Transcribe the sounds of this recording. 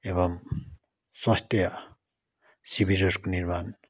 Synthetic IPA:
eβʌm | swʌst̪ʰjʌ | sibiɾʌɾkoniɾman

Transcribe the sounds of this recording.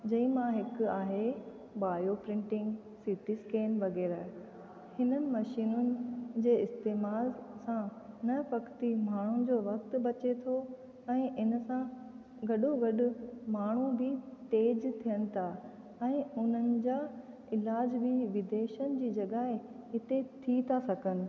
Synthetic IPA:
d͡ʑɐ̃ĩmãɦɪkʊaːɦe | baːjopɾɪ̃ɳʈɪ̃ŋɡ | siʈiskeːnʋɐɡɛːɾaː | hɪnənɪ̆mɐʃiːnʊnɪ̆d͡ʑeːɪst̪eːmaːlsãnɐpɐkt̪imaːɳ̤ʊnɪ̆d͡ʑoːʋɐkt̪̆bɐt͡ɕet̪ʰo | ɛ̃ːʔɪnsã | ɡɐɗoɡɐɗʊ̆maːɳ̤ubit̪eːd͡ʑt̪ʰijənɪ̆t̪ʰa | ɛ̃ːʊn̤ənɪ̆d͡ʑaː | ɪlaːd͡ʑbɪʋɪd̪eːʃənɪ̆d͡ʑiːd͡ʑɐɠaːɦɪɦɪt̪et̪ʰit̪ʰasɐɡənɪ̆

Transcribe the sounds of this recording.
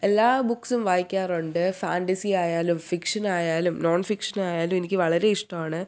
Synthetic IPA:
elːaːbukːsumʋaːjikʲːaːruɳɖɨfa̰ːɳʈɐsiaːjaːlumfikʂɐnaːjaːlumnoːnfikʂɐnaːjaːlumenikʲːɨʋɐɭɐɾe̞iʂʈɐmaːɳɨ

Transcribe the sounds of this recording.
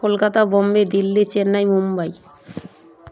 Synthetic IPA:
olkat̪abombed̪ilːit͡ɕenːajmumbaj

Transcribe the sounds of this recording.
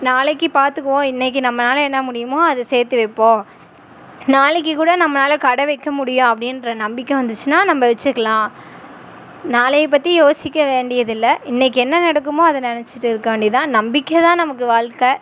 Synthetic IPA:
naːlɛkːɯpaːɾt̪ɯkːɐʋõːɪnːɛk̬ːɯnɐmːɐnaːlɛnːɐmʊɽɪjɯmoːɐðɐseːɾt̪ɯʋɐɪpːõː | naːlɛk̬ːɯkuːɽɐnɐmːɐnaːlkɐɽɐʋɐɪkːɐmʊɽɪjõɐpːɐɽɪnɾɐnɐmbɪkːɛ̃ʋɐnd̪ɯt͡ʃːɯnaːnɐmːɐʋɛt͡ʃːɯɾɯkːɐlãː | naːlɐjp̬ːɐt̪ːijoːsɪkːɐʋeːɳɖɪjɐðɪlːɐɪnːɛk̬ːɯɛnːɐnɐɽɐkːɯmoːɐðɐnɪnɛt͡ʃːɯʈːɯɪɾɯkːɐʋeːɳɖɪt̪ãːnɐmbɪkːɛt̪ãːnɐmɐkːɯʋaːɭkɐ

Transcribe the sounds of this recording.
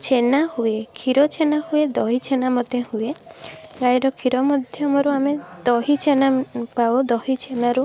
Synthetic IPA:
t͡ʃʰenahuekʰiɾɔt͡ʃʰenahued̪ɔɦit͡ʃʰenamɔt̪ehueɡajɾɔkʰiɾɔmɔd̪ʱjɔmɔɾuamed̪ɔɦit͡ʃʰenapabɔd̪ɔɦit͡ʃʰenaɾu

